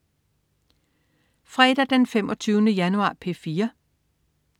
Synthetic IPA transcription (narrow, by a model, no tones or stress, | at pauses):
fʁɛːd̥æd̥enfemʔɒ̽t͡sʰyːʊnəjænuɑ̰̈ːpʰe̝fiːɐ